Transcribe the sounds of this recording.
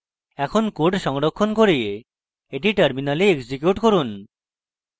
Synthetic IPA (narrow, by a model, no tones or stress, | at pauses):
ɛkʰonkoɾɖʃɔŋɾokʰːonkoɾije | eʈiʈaɾminalieɡd͡ʑikjuʈkoɾun